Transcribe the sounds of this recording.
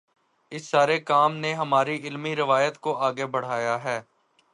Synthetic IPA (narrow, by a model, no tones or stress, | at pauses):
ɪsːaːɾekaːmneɦɐmaːɾiʔɪlmiɾɪʋaːjət̪koʔaːɡebɐɽ̤aːjaɦɛː